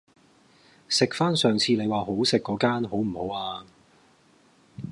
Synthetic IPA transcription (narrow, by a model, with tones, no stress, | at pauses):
sɪ˨k̚faː˥nsœː˨ŋt͡sʰiː˨˧ne˨˧jwaː˨˩ɦo˨˥wsɪ˨kːɔː˨˥kaː˥nɦo˨˥wm̩˨˩ho˨˥waː˧